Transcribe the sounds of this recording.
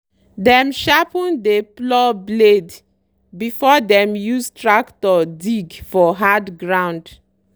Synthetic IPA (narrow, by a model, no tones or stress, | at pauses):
dɛ̃mʃapɔ̃ndeplɔbled | bifɔdɛ̃mjustɹaktɔdiɡfɔɦadɡɹãʊ̃nd